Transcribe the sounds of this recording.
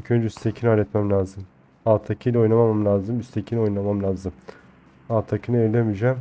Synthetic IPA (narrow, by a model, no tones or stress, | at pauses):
icʰønd͡ʒɛyst̪ʰecʰinalʲɛt̪mɛmlʲaːzɯm | aːt̪ʰakʰɯjlʲɛo̞jnamamamlʲaːzɯmyst̪ʰecʰinio̞jnlˠamamlʲaːzɯm | aːt̪ʰːakʰɯnɯeɾlʲemid͡ʒæm